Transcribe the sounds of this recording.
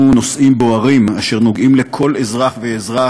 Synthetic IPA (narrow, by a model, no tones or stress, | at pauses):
uno̞sʔimbo̞aʁimaʃe̞ʁno̞ɡimle̞kʰo̞lezʁaχveːzʁa